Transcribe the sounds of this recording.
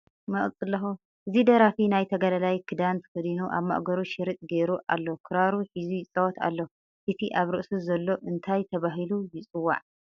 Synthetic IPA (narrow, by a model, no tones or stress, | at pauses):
mɐχʼt͡sʼɨlːɐxu | ʔɨzid̪ɐɾafinajt̪ʰɐɡɐlɐlajkʰɨd̪ant̪ʰɨ̥kɨd̪inuʔa̰βma̰ʔɡɐɾuʃɪɾɨt̪ʼɡeɾuʔa̰lːokʰɨɾaɾuħizujɪt͡sʼɐwt̪ʰa̰lːo | ʔɨt̪ʰiʔaβɾɨʔsuzɐlːo̞ʔɨnt̪ʰajt̪ʰɐβaɦilujɪt͡sʼɨwːa̰ʕ